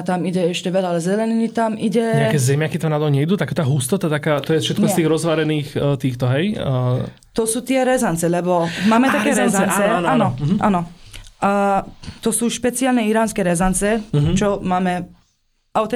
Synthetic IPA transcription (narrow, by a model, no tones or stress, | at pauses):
t̪amiɟɛɛʃcɛʋɛlalɛzɛlɛninit̪amiɟɛɛakɛzɛmɪakit̪amnat̪ɔɲɛid̪uːt̪akaːt̪aːɦust̪ɔt̪at̪akaːt̪ɔjɛfʃɛt̪kɔst̪iːɣɾɔzʋaɾɛniːxt̪iːxt̪ɔɦɛj | t̪ɔsuːt̪ɪɛɾɛzant͡sɛlɛbɔmaːmɛt̪akɛːɾɛzaɛt͡sɛnaːnɔʔa̰ːnɔ | t̪ɔsuːʃpɛt͡siaːlnɛiɾaːnskɛːɾɛzant͡sɛɦt͡ʃɔmaːmɛ | aʊt̪ɛ